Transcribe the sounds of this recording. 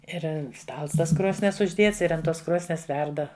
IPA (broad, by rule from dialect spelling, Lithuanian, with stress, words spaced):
ˈɪr ˈstɐlˠs ˈtɐs ˈkroːsʲnʲiɛs ʊʒʲˈdʲeːts ɪr ɐnt ˈtoːs ˈkroːsʲnʲiɛs ˈʋʲɛrdɐ